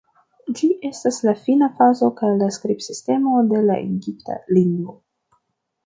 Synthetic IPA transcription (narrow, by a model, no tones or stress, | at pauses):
d͡ʒiʔe̞staslafinafazo̞kajlaskɾibsiste̞mo̞de̞la̰ʔḛnɡiptʰa̰liŋɡvo̞